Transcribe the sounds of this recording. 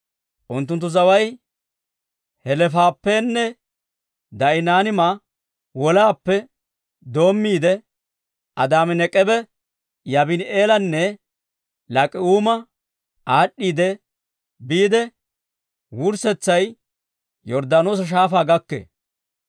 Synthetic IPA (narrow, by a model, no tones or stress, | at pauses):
ʔʊnt̪̬ːʊnt̪ːʊzɐwɐj | hɛlɛfaːpːɛnːɛ | d̪ɐʔɪnaːnɪma | wɔlaːpːɛ | d̪o̞ːmːiːd̪ɛ | ʔɐd̪aːmɛnɛkʼɛbɛ | jɐbɪneːlɐnːɛ | lɐkʼɪuːmɐ | ʔaːɗːiːd̪ɛ | biːd̪ɛ | wʊɾsɛt͡sːɐj | jɔɾd̪aːnoːs̬ɐʃ̬aːfaːɡɐkːḛː